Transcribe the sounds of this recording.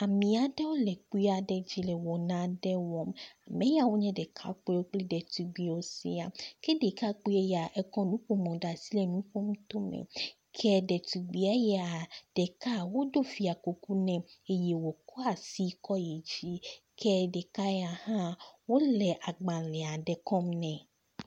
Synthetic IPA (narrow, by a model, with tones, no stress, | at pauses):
a˨mĩ˨a˨ɖɛ˦wo˦lɛ˨k͡pu˦a˨ɖɛ˦d͡ʑi˦lɛ˨wɔ˨nã˨˦ɖɛ˦wɔ˦ma˨mɛ̃˨˦ja˨wo˦ɲɛ̃˦ɖɛ˨kʰa̰˦k͡pwo˦k͡pli˦ɖɛ˨t̪u˨ɡ͡bi˨wo˦sḭ˦a˨kɛ˦de˨ka˦k͡pu˦e˦ja˨ʔɛ˦kɔ̃˦nũ˦ɸo˦mɔ̃˨ɖa˨si˦lɛ˨nũ˨˦ɸo˦mu˦t̪o˦mɛ̰̃˨ | kʰɛ˦ɖɛ˨t̪u˨ɡ͡bi˨a˦jɛ˦a˨ɖ̥ɛ˨ka˦wo˦ɖo˦fi˨a˨ko˨ku˦nɛ̃˨e˦je˨wo˨kɔ˦a˨si˦kɔ˦je˨d͡ʑi˦ | kʰɛ˦ɖe˨ka˦jɛ˦a˨hã˦wo˦lɛ˨ʔa˨ɡ͡bã˨lɛ˨a˨ɖɛ˨kɔ˦mnɛ̃˨